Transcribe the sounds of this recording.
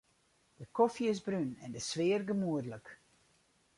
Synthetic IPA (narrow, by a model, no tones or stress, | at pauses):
d̥əkɔfjɪsbrynɛndəsʋɪːrɡəmuədlək